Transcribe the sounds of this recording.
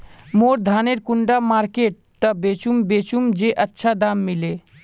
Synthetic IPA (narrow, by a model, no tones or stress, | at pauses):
moːɾd̪ʱaːneɾkuɳɖamaːɾkeʈ̚t̪əbet͡ʃumbeːt͡ʃumd͡ʒeʔətːʃʰad̪aːmːile